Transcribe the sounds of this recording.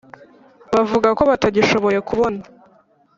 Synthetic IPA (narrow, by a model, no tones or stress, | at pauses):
βavuɡako̞βataɟiʃo̞βo̞je̞kuβo̞na